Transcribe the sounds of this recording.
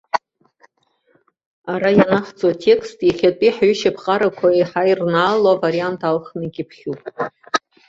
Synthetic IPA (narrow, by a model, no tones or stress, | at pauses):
aɾajanaχt͡sʼwatʰe̞kʰstʼiχʲatʼiħɥʏʃapʰqʼaɾakʷʰaiħajrnaːlavaɾiantʰalχnɨɡʲipʰχʲupʼ